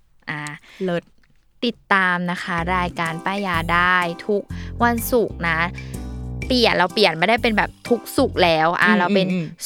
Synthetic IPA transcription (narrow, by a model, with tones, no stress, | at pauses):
ʔaː˧˩lo˦˥t̪̚ː | i˨˩t̪ːaː˧mna˦˥kʰa˦˥ɾaː˧jkaː˧npaː˧˩jaː˧daː˥˩jt̪ʰu˦˥k̚wa˧nsu˨˩k̚na˦˥ | pi˨˩ən̚ɾa˧wpi˨˩ət̪̚maː˧˥˩da˥˩jpe˧nbɛː˨˩p̚t̪ʰu˦˥k̚su˨˩k̚lɛː˦˥wʔa̰ː˧˩ɾa˧wpe˧n